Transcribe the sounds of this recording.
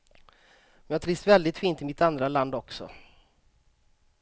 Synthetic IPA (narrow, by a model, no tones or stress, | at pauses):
mɛnjaːt̪ʰɾɪsvɛld̪ɪt̪fiːnt̪ɪmɪt̪and̪ɾaland̪ɔksɔ̰